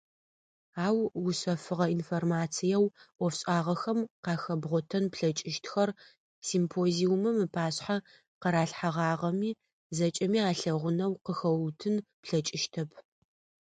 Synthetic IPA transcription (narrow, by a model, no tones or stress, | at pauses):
aːwwʊɕɐfɨʁɐinformaːt͡sʰijɛwʔʷɔfɕʼaːʁɐxɐmqɑːxɐbʁʷɔtʰɐnpɬɐt͡ʃʼɪʃtʰxɐr | simpʰoːziʊmɐmɨpʰaːɕħa | qɐɾaːɬħaʁɑːʁɐmiː | zɐt͡ʃʼɐmiːaːɬɐʁʷʊnɐwqəxɐwtʰɨnpɬɐt͡ʃʼɪʃtʰɐpʰ